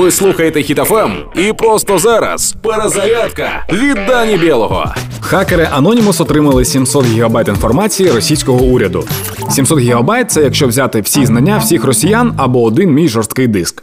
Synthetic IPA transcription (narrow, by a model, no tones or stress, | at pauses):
ʋɪslˠuxɐjet̪ɛxʲit̪ɛfɛm | ipɾɔst̪ɔzaɾɐ̰speɾezɐɾʲat̪kɐ̰ʋʲid̪ːanʲibʲɛlˠɔɦɔ̰ | xakeɾɪʔɐnɔnʲimʊsɔt̪ɾɪmɐlˠɪsʲimsɔt̪ɣʲiɦɐbajt̪in̪fɔrmat͡sʲijiɾɔsʲijsʲkɔɦɔuɾʲɐd̪ʊ̰ | sʲimsɔt̪ɦʲiɦɔbajt̪̚sɛjɐkʃt͡ʃɔwzʲat̪ɪwsʲiznɐnʲːawsʲixrɔsʲijanɐbɔːd̪ɪnmʲijʒɔrst̪̚kɪjd̪ɪsk